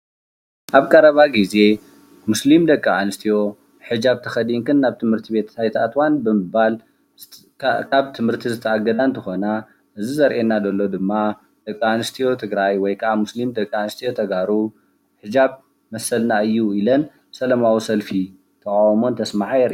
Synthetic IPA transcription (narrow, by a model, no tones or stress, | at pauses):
ʔaβkʼɐɾɐβaɡize̞ | muslimd̪ɐkʼːɐanɨst̪ʰijo̞ | ħɨd͡ʒaβt̪ʰɐxɐd̪iŋkʰɨnːaβt̪ʰɨmhɨɾt̪ʰibe̞t̪hʰajt̪ʰat̪ʰwanbɨmɨbal | kʰaβt̪ʰɨmhɨɾt̪ʰizɨt̪ʰɐaɡɐd̪ant̪ʰɨxo̞na | ʔɨzizɐɾʔenːad̪ɐlːo̞d̪ɨmːa | d̪̥ɐkʼːɐanɨst̪ʰijo̞t̪ʰɨɡɾajwɔjkʰɐʔamuslimd̪ɐkʼːaanɨst̪ʰijo̞t̪ʰɐɡaɾu | ħɨd͡ʒaβ | mɐsɐlnaɨjːuilɐn | sɐlɐmawisɐlfi | t̪ʰɐkʼawmo̞nt̪ʰɐsmaʕajɛɾʔ